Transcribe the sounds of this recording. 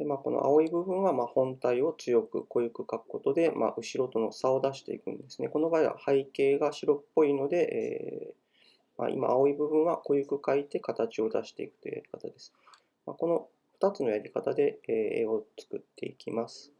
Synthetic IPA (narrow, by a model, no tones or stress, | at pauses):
d̪emako̞no̰ʔa̰o̞ibɯ̟bɯ̟̃ɰ̃βamaːhõ̞nt̪aio̞t͡sɨjo̞kɯ̟̰ko̞jɯ̟kɯ̟kakɯ̟̥ko̞t̪o̞d̪e̞mʔa̰ʔɯ̟ɕiɾo̞t̪o̞no̞sao̞d̪aɕi̥t̪e̞̰ḭkɯ̟̰̃nd̪e̞sɨne̞ko̞no̞baːiβa̰haike̞ːɡaɕiɾo̞pːo̞ino̞d̪e̞ʔḛː | ma̰ḭma̰ao̞ibɯ̟bɯ̟̃ɰ̃βako̞jɯ̟kɯ̟kait̪e̞kat̪at͡ɕio̞d̪aɕi̥t̪e̞̰ikɯ̥t̪ojɯ̟ja̰ɾʲi̥kat̪ad̪e̞sɨ̥ | ma̰ko̞no̞ | ɸɯ̟̥t̪at͡sɨno̞jaɾʲikat̪ad̪e̞ːḛːo̞t͡sɨ̥kɯ̟t̪ːe̞̰ikʲimasɨ̥